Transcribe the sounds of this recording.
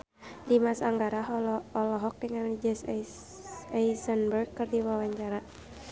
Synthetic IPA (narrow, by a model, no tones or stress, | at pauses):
dimasaŋɡaɾaɦɔɔlɔɦɔk̚dəŋand͡ʒɛs | ajsənbərɡkːɨrdiwawaɲt͡ʃaɾa